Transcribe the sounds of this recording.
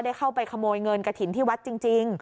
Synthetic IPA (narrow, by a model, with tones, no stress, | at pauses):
da˥˩jkʰa˥˩wpa˧jkʰa˧moː˧jŋɤ˧nka˧t̪ʰi˨˩˦nt̪ʰiː˥˩wa˦˥t̪̚t͡ɕi˧ŋt͡ɕi˧ŋ